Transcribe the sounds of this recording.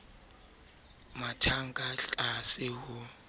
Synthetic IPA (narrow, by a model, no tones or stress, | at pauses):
matʰaŋkʼaɬʼasɪhʊ